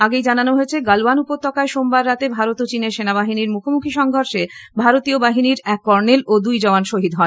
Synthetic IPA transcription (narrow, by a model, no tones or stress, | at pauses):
aɡejd͡ʑananoɦoet͡ɕʰeɡaloanupot̪ːɔkaeʃombaɾːat̪ebʱaɾot̪ot͡ɕineɾʃenaβaɦiniɾmukʰomukʰiʃɔŋɡʱoɾʃebʱaɾot̪iobaɦiniɾɛkːɔɾnelod̪ujd͡ʑɔoanʃoɦid̪ɦɔe